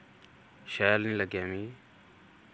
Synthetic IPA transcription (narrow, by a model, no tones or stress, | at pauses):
ʃaːlnĩːləɡjaːmĩː